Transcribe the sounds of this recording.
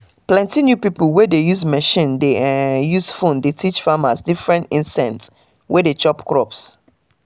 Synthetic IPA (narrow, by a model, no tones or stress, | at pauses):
plɛ̃ntinjupipulwɛdejuzmɛʃĩndejuzfõndetʰit͡ʃfamasdifɹɛ̃ntĩnsɛ̃nts | wɛdet͡ʃɔpkɹɔps